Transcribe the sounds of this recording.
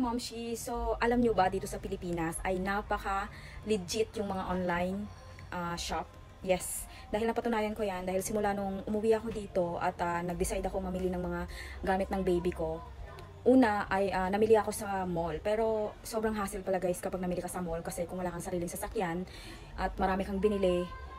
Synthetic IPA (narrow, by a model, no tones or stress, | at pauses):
mɐmʃiso̞ʔɐlamɲobad̪iːt̪o̞sɐpɪlɪpiːnɐsʔɐjnapɐkɐ | lɪd͡ʒɪt̪jʊŋmɐŋaʔonlajn | ʔaʃap̚ | jɛs | d̪aːhɪlɐpɐt̪ʊnaːjɐnko̞jand̪aːhɪlsɪmʊlaːnoŋʔʊmʊwiʔɐko̞d̪iːt̪o̞ʔɐ̰t̪anɐɡ̚d̪ɪsajd̪ɐkoŋmɐmilinɐŋmɐŋaɡaːmɪt̪nɐŋbejbɪko̞ | ʔuːnɐʔɐjʔanɐmɪlɪʔɐko̞sɐmolpɛːɾo̞sobɾɐŋɦaːsɪlpɐlɐɡajskɐpaɡ̚nɐmilɪkɐsɐmolkɐsɛkʊŋwɐlaːkɐŋsɐɾiːlɪŋsɐsɐkjan | ʔɐt̪̚mɐɾaːmɪkɐŋbɪnɪlɪ